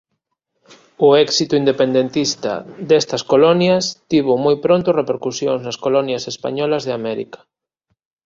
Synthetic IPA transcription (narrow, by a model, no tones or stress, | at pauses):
ʊɛksit̪ʊind̪epend̪ent̪ist̪ɐ̰d̪ɛst̪ɐskolɔnjɐst̪iβomojpɾont̪ʊrepeɾkusjoŋznɐskolɔnjɐsespa̰ɲɔlɐzðeamɛɾḭkɐ̥